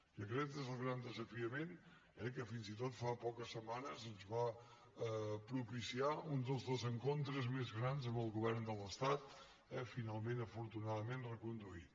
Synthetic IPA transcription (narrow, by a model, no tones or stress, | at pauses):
ʒəkɾɛk̪ːezəlˠɣɾand̪əzəfiəmen | ɛkəfinzit̪ot̪fapɔkəsːəmanəzənzβa | pɾupisiaund̪əlˠzðozəŋkont̪ɾəzmezɣɾanzəmbəlˠɣuβɛɾnd̪ələst̪at̪ | ɛfinalˠmẽnəfuɾt̪unaðəmenrəkund̪uit̪